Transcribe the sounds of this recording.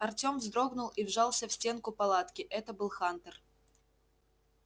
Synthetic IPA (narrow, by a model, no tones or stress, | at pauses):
ɐrtʲo̞mvzd̪ɾo̞ɡnʊlˠivʐɑlˠsʲəfsʲtʲe̞nkʊpɐlˠat̪kʲɪʔɛt̪əbɨlˠxant̪ər